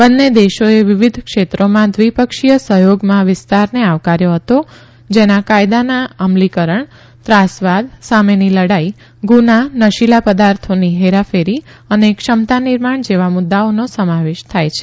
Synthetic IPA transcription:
bənːed̪eʃoeʋɪʋɪd̪ʱkʃet̪ɾomãd̪ʋipəkʃijəsəɦjoɡmãʋɪst̪aɾneaʋkaɾjoɦət̪o | d͡ʒenakajd̪anaəmlikəɾəɳ | t̪ɾasʋad̪sameniləɽai | ɡunanəʃilapəd̪aɾt̪ʰoniɦeɾafeɾiənekʃəmt̪anɪɾmaɳ̃d͡ʒeʋamʊd̪ːaonosəmaʋeʃt̪ʰajt͡ʃʰe

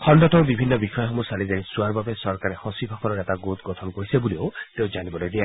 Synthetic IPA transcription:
kʰɔndɔtɔwbibʱinːɔbixɔjɔɦɔmusalizaɹisuaɾbabesɔɾkaɾehɔsibʱɔkʰɔɾɔɾɛt̪aɡot̪ɡɔt̪ʰɔnkɔɹisebulioʊt̪ewd͡ʒanibɔlojd̪ia

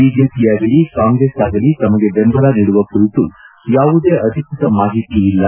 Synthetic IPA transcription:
iːd͡ʒepijaːɡɐlikaːŋɡɾesaːɡɐlit̪ɐmɐɡe̞bembʱɐɾaniːɽuʋɐkuɾit̪u | jaːʋud̪e̞ːʔɐd̪ʱikɾut̪ɐmaːɦit̪iːlːɐ

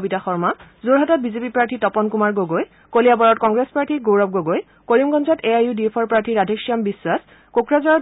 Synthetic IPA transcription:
bitaxɔɹmazoɹɦatɔt̚bizepipɹaɹtʰitɔpɔnkumaɹɡoɡoj | kolijabɔɹɔtkɔŋɡɹespaɹtʰiɡowɹɔp̚ɡoɡoj | koɹimɡɔnzɔteajudiepʰɔɹpɹaɹtʰiɹadʱekʃiambiswas | kokɹazɔɹɔ

